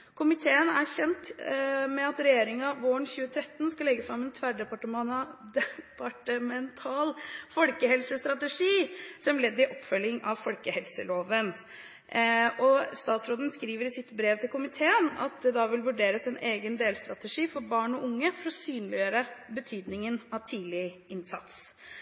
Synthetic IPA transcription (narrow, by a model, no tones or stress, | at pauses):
kʰʊmɪt̪ʰeːənæɾçɛnt̪mɛɑt̪ɾɛjeːɾɪŋɑʋoːəɳçʉːət̪ʰɾɛt̪ːnskɑlɛɡːəfɾɑmɛnt̪ʰʋæɖɛpɑʈəmnd̪ɛpʰɑʈəmɛnt̪ʰɑːlfɔlkəhɛlsəst̪ɾɑt̪əʂiːsɔmlɛd̪ːɪʔɔpːfœlːɪŋɑʋfɔlkəhɛlsəloːʋən | ɔst̪ɑːt̪sɾoːd̪ənskɾiːʋəɾɪsɪt̪bɾeːʋt̪ʰɪlkʊmɪt̪ʰeːənɑ̰t̪̚d̪ɛd̪ɑʋɪlʋʉɖeːɾəsɛneːɡənd̪eːlst̪ɾɑt̪əʂiːfɔɾbɑːɳɔʔʊŋːəfɔɾɔsyːnlɪəɾəbət̪ʰyːd̪nɪŋənɑʋt̪ʰiːlɪɪnsɑt̪s